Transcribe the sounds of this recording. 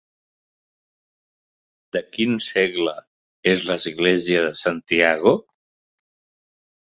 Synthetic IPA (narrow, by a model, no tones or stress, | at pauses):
d̪̥əkinseɣlə | ezləzɣleziəðəsant̪iaɣo